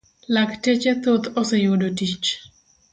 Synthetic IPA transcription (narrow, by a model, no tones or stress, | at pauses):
laktet͡ʃɛt̪ot̪osɛjodotit͡ʃ